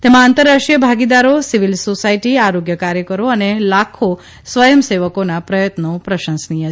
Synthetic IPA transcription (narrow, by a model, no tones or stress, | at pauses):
t̪emãant̪əɾːaʂʈijəbʱaɡid̪aɾosiʋilsosaiʈiaɾoɡjəkaɾjəkəɾoənelakʰo | sʋəjəmseʋəkonapɾəjət̪nopɾəʃə̃nsnijə